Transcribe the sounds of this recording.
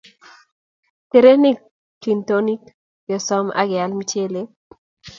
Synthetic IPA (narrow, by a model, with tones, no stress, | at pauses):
t̪e˨ɾe˦nɪ˦ | ki˨nt̪o˦ni˦k | jɔ˨sɔ˦ma̰˦ɡɪ˨a˨lmi˦t͡ʃe˦le˦